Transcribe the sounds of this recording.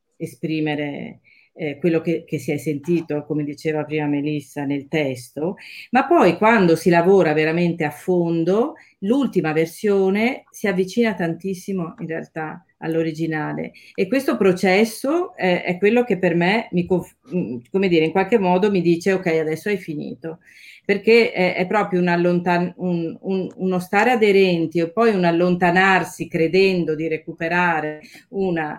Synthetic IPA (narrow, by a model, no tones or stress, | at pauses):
espɾiːmeɾḛ | kwelːokekesiɛjsent̪iːt̪okomed̪it͡ʃeːvapɾiːmamelisːanelt̪ɛst̪omapːɔjkwand̪osilavoːɾaveɾament̪eafːond̪o | lult̪imaversjoːnesiavːit͡ʃiːnat̪ant̪isːimoinrea̰lt̪a | a̰lːoɾid͡ʒinaːlḛekwest̪opɾot͡ʃɛsːoɛɛ̰kːwelːok̟epːermemikoɱf | komed̪iːɾeiŋkwalk̟emːɔːd̪omid̪iːt͡ʃeokːɛjad̪ɛsːoɛjfinḭːt̪o | perkeɛɛ̰pːɾɔːpɾjounalːont̪anunununost̪aːɾead̪eɾɛnt̪iopːɔjunalːont̪anarsikɾed̪ɛnd̪od̪iɾekupeɾaːɾeuna